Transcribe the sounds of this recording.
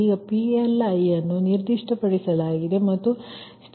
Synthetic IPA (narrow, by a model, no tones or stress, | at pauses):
iɡɐpielɐjɐnːuniɾd̪iʂʈɐpɐɽisɐlaːɡid̪e̞mɐt̪ːust̪